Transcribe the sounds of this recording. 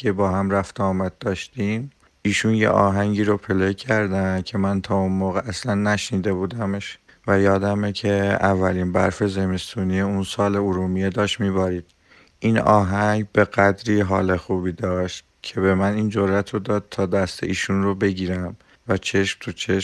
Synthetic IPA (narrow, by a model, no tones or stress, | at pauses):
ebɒːɦæmɾæft̪ʰɒːmæd̪̚ːɒːʃt̪iːm | iːʃunjḛʔɒ̰ːɦæŋɟiːɾopʰe̞lecʰæɾd̪æncʰe̞mænt̪ʰɒːunmoːɣeʔæslænːæʃniːd̪e̞buːd̪æmeʃ | væjɒːd̪æmecʰeævːæliːnbæ̰ɾfe̞ze̞me̞st̪uːnieunsɒːle̞uɾuːmijed̪ɒːʃt̪miːbɒɾiːd̪̥ | ʔiːnɒ̰ːɦæɡbe̞ɣæd̪ɾiːɦɒ̰ːle̞xuːbiːd̪ɒːʃt̪̚ | cʰe̞be̞mæniːnd͡ʒoɾæt̪ʰɾod̪ɒːd̪̥̚t̪ʰɒːd̪æst̪ʰḛʔiːʃunrobe̞ɟiːɾæm | væt͡ʃʰe̞ʃmt̪ʰut͡ʃʰeʃ